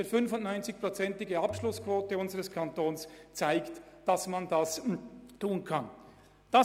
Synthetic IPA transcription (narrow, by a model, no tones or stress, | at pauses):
eːɾfʏnfʊnnɔʏnt͡sɪçpʁ̥ot͡sɛntɪɡəɑpʃlʊskv̥oːtəʊnzəʁəskʰantoːnst͡saɪkt | d̥ɑsmandastuːnkʰan | d̥a